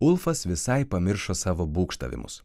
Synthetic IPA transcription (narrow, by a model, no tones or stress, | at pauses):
ʊlˠfɐsʋʲɪsɐɪpɐmʲɪɾʃoːsɑːʋoːbuːkʃt̪ɐ̰ʋʲɪ̰mʊ̰s